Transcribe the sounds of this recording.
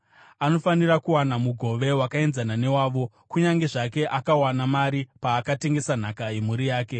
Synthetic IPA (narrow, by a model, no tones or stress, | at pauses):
ano̞fanirakuwanamuɡʱo̞ʋe̞wakae̞nzanane̞waːʋo̞ | kuɲaŋɡe̞ʐake̞ʔakawanamaɾipaːkate̞ŋɡe̞san̤akaemuɾijaːke̞